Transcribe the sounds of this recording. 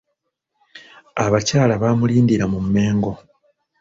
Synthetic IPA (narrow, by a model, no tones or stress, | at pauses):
aβacaːlaβaːmuliːndiɾamumːe̞ːŋɡo̞